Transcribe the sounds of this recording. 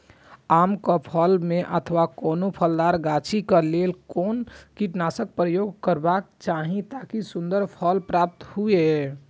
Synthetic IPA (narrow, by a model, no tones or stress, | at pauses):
amkəpʰəlmeʔət̪ʰʋakonopʰəld̪aɾɡat͡ʃʰikəlelkonkiʈnasək̚pɾəjoɡkəɾbak̚t͡ʃaɦĩt̪akisund̪əɾpʰəlpɾap̚t̪hue